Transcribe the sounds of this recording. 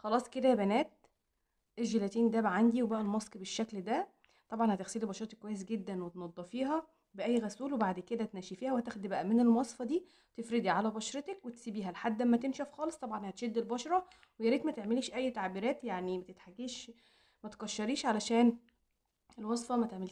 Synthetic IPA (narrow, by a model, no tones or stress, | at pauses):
xɑlɑːsˤked̪æbænæːt̪̚ | elʒelæt̪iːnd̪æbæʕand̪iwebæʔælmɑsˤkbeʃːækld̪æ | t̪ˤɑbʕɑnhæt̪exsiːlibɑʃɑɾˤɑt̪ekːwæjːesɡed̪ːænwet̪nɑd̪ˤːɑfiːɦæ | beʔæjːɣæsuːlwebaʕd̪ked̪æt̪næːʃifiːhæwhæt̪æxd̪bæʔæmenelmɑsˤfɑd̪iː | t̪efɾed̪iʕalæbɑʃɾet̪ekwet̪siːbiːɦælħad̪ːʔæmːæt̪emʃæfxɑːlesˤt̪ˤɑbʕɑnhæt̪ʃed̪ːelbɑʃɾˤɑ | wejæɾiːt̪mæt̪eʕmeliːʃʔæjːt̪aʕbiːɾæːt̪jaʕnimæt̪et̪ħaɡiːʃ | mæt̪kɑʃːɑɾiːʃʕalæʃæːn | elwɑsˤfɑmæt̪eʕmel